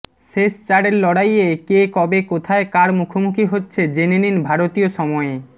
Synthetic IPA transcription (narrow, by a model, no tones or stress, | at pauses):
ʃeʃt͡ɕaɽeɾlɔɽajekekɔbekot̪ʰaekaɾmukʰomukʰiɦotːɕʰed͡ʑeneninbʱaɾot̪ioʃɔmɔe